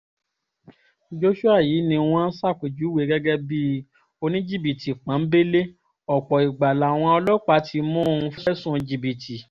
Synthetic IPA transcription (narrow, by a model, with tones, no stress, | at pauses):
d͡ʒo˦ʃu˦a˦˨jiː˨˦nĩ˧w̃ɔ̃˦sa˦˨ku˨d͡ʒu˨˦we˨˦ɡɛ˦ɡɛ˦bi˦ | o˧nĩ˦d͡ʒi˦˨bi˨tʰi˨k͡pã˨˦be˦le˦ | ɔ˨k͡pɔ˨i˨ɡ͡ba˨la˨w̃ɔ̃˧ɔ˧lɔ˦k͡pa˨˦tʰi˧mɔ̃˦o˦˨ũ˧fɛ˦ʃɛ˦sũ˦˨˧d͡ʒi˨bi˨tʰi˨